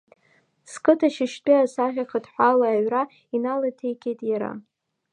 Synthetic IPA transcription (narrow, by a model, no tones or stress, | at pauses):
skʼɨtʰaʃɪʃtʼiasaʁʲaχətʼħʷalaːɥra | inalatʰejkʲʰejtʼjaɾa̰